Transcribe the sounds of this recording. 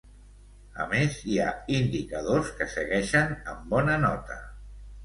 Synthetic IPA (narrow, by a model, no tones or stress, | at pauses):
ə̰meziaind̪ikəð̞oskəsəɣɛʃənəmbɔnənɔt̪ə